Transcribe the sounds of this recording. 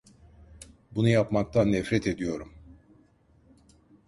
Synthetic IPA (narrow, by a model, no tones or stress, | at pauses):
bunujapmak̚t̪ʰanːɛfɾɛt̪ʰe̞d̪ijo̞ɾum